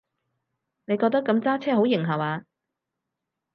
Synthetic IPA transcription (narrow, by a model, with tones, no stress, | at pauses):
ne˨˧jkɔː˧k̚t̪ɐ˥kːɐ˧mt͡saː˥t͡sʰɛː˥ɦo˨˥wjɪ˨˩ŋɦɐ˨˩waː˧